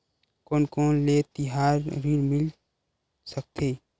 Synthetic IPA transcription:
koːnkoːnlet̪ɪɦaːɾːiɾmɪl | sək̚t̪ʰeː

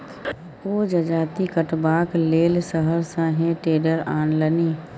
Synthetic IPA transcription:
oːd͡ʒɐd͡ʒaːt̪ikəʈbaːkleːlsəɦəɾsãɦẽʈeːɖəɾaːnləniː

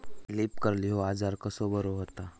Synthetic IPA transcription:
lipkəɾliɦoad͡zaɾkəsobəɾoɦot̪a

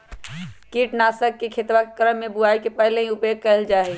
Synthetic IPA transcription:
kiʈnasəkːekʰet̪ʋakekəɾəmːebuaikepəɦlẽɦĩʊpeɡ̚kəɦɪld͡ʒaːɦɛ

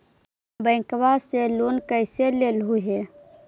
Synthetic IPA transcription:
bəɪ̃kbaselunkəɪselelɦuɦe

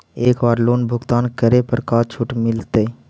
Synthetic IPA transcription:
eːkbaːɾloːnbʱʊɡt̪aːnkəɾepəɾkaːt͡ʃʰuʈmɪlt̪e

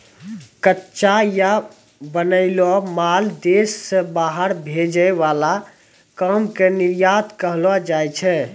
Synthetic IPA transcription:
kətːʃaja | bənəɪlɔmald̪esːə̃baɦəɾbʱed͡ʒəeʋala | kamkeniɾjat̪kəɦlɔd͡ʒajt͡ʃʰɛ

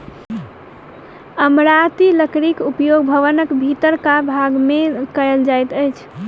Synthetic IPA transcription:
əmɾat̪iləkɾikupjoɡ̚bʱəʋənəkbʱit̪əɾkabʱaɡmekəjld͡ʒajt̪əjt͡ʃʰ

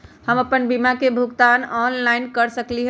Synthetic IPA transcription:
həməpənbimakebʱuɡt̪anɔnlaɪnkəɾsəkliɦ

